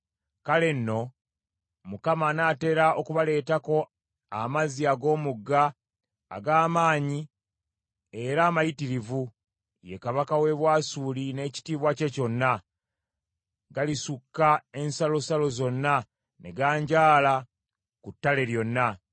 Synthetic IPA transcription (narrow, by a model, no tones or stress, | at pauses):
kale̞nːo̞ | mukamanaːte̞ːɾaʔo̞kuβale̞ːtako̞ | amaziaɡo̞ːmuɡːa̰ː | ɡaːmaːɲi | e̞ɾaːmajitiɾivu | je̞kaβakawe̞βwaːsuːline̞ːci̥tiːβwace̞co̞nːa | ɡalisukːae̞nsalo̞salo̞zo̞nːa | ne̞̰ɡaːɲɟaːla | kutːale̞ɾjo̞nːa